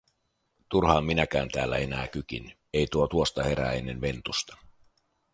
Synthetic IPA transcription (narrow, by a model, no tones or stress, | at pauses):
t̪urhɑːmːinækæːnt̪æːlːæ̰e̞næ̰ːk̟yk̟ḭn | e̞jt̪uot̪uost̪ɑhe̞ɾæ̰enenʋe̞nt̪ust̪ɑ̥